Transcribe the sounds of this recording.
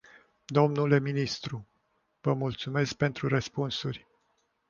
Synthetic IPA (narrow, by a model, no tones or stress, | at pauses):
d̪o̞mnule̞minist̪ɾu | vəmult̪sume̞sk̚pe̞nt̪ɾuɾəspunsurʲ